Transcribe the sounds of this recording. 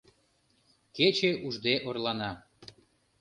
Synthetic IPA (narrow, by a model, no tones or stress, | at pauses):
ket͡ɕeʔuʒd̪eʔorlɑnɑ